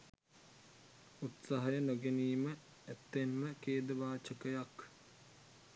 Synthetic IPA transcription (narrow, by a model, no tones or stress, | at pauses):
ut̪saɦɐjənoɡeniːmə | æt̪ːenməkeːd̪əʋaːt͡ʃəkəjak